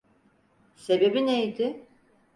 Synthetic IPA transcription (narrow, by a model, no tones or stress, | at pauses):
se̞be̞binejd̪ɪ